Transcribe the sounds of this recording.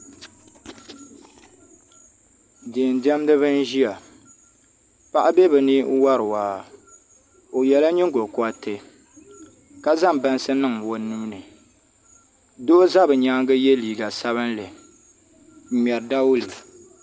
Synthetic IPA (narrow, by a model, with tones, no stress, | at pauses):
deː˨n˨di˦a˦m˦dɨ˦βɨ˦n̩˦ʒi˦a˨ | pa˦ʔa˦be˦bɨ˨ni˦ʔwa˦ɾɨ˨waː˨ | o˨jɛ˨la˦ɲi˦ŋ˦ɡo˨kʊ˦a˦tɨ˦ | ka˦za˦m˨ba˦n˦sɨ˦nɨ˦ŋwo˨nːu˦nɨ˨ | do˦za˦bɨ˨ɲa˦ŋɡɨ˦jɛ˦liː˨ɡa˨sa˦βɨ˦nlɨ˨ | mʲɛ˨ɾɨ˨da˦wʊ˦lɨ˨